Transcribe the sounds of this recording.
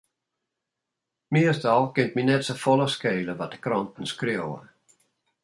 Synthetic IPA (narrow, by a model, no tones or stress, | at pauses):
miəstɔlˠkɪnt̚minɛtsəfɔləskeːləʋɔt̚d̥ə̥krɔntn̩skrjowə̰